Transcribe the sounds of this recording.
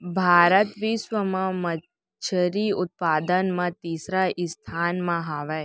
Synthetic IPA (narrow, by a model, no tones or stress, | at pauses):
bʱaːɾət̪ʋisʋəmãmə | t͡ʃʰəɾiʊt̪̚paːd̪ənmãt̪iːsɾaʔɪst̪ʰaːnmãɦaːʋɛ